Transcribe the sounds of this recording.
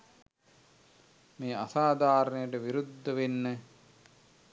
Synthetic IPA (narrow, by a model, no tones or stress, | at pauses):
meːasaːd̪ʱaːɾənəjəʈəʋiɾud̪ʱːəʋenːə